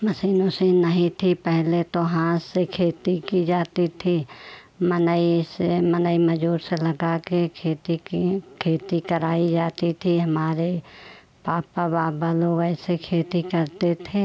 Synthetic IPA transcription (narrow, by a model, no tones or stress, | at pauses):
mɐsiːnosiːnːɐɦĩt̪ʰipɛɦlet̪oɦãːsekʰeːt̪ikid͡ʒaːt̪it̪ʰi | mɐnəisemɐnəimɐd͡ʒuːɾselɐɡakekʰeːt̪ikʰeːt̪ikɐɾaːid͡ʒaːt̪it̪ʰiɦɐmaːɾe | paːpabaːbaloːɡɛːsekʰeːt̪ikɐɾt̪et̪ʰeː